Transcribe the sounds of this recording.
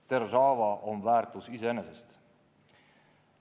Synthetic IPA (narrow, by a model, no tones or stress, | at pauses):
t̪ersɑːvɑʔonvæːrt̪ˑusiseenesest̪